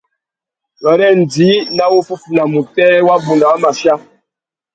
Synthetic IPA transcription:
jɔ˨ɾɛ˦n˨di˨˦na˦wu˦fu˦fu˨na˨mu˨tɛ˦wa˦bu˨nda˨wa˦ma˨ʃja˦

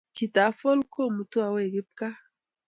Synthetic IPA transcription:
t͡ʃi˨ta˨˦fɔ˦lko˦˨mu˨tu˦a˨we˦˨ɡi˦p̚ka˦

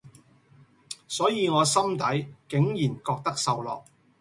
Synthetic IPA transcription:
sɔː˨˥jiː˨˧ŋɔː˨˧sɐ˥mt̪ɐ˨˥jkɪ˨˥ŋjiː˨˩nkɔː˧k̚t̪ɐ˥k̚sɐ˧wlɔ̰ː˨k̚

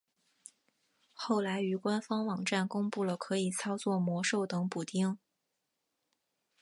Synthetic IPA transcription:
xo˥˩ʊla˧˥ɪy˨˩kwa˥nfɑ˥ŋwɑ˨˩ŋʈ͡ʂa˥˩nkʊ˥ŋpu˥˩lə˩kʰɤ˧˥i˨˩t͡sʰɑ˥ʊt͡swɔ˥˩mwɔ˧˥ʂo˥˩ʊt̪ɤ˧˥ŋpu˨˩t̪i˥˩ŋ

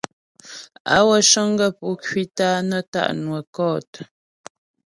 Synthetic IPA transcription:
a̰˦wə˦ʃə˦ŋ˦ɡə˦pu˨˦kɥi˦taː˦nə˦ta̰˦˨ʔnwə˨kɔ˦˨tə˨

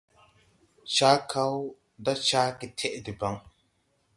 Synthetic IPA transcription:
t͡ʃaː˦kʰa˦w | da˦t͡ʃaː˦ki˨tʰe˦˨ʔdi˨ba˨˦ŋ

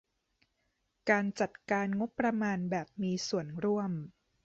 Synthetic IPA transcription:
kaː˧nt͡ɕa˨˩t̪̚kaː˧nŋo˦˥pːɾa˧maː˧nbɛː˨˩p̚miː˧su˨˩ənɾu˥˩əm

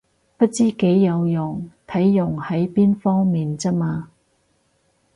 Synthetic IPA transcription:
pɐ˥t̚t͡siː˥ke˨˥jːɐ˨˧wjʊ˨˩ŋt̪ʰɐ˨˥jːʊ˨˩ŋhɐ˨˥jpiː˥nfɔː˥ŋmiː˨nt͡sɐ˥k̚maː˧

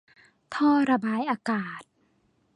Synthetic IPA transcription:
t̪ʰɔː˧˩ɾa˧baː˧˦jʔaː˧kaː˨˩t̪̚

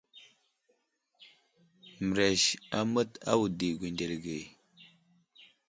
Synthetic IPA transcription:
m˨ɾe˨ʃa˦mə˦ta̰˦wu˨di˨ɡʷi˨nde˨lɡe˨

